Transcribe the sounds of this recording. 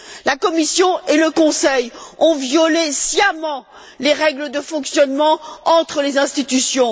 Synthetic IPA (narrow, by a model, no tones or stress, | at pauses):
lakɔmisjɔ̃eləkɔ̃sɛjɔ̃vjɔlesjamɑ̃ | leʁɛɡləd̪əfɔ̃ksjɔnmɑ̃ɑ̃t̪χəlezɛ̃st̪it̪ysjɔ̃